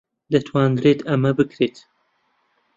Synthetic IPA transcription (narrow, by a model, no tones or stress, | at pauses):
d̪ɐt̪ʰwaːnɡ̪ɾeːt̪ɐmɐbɨkɾeːt̪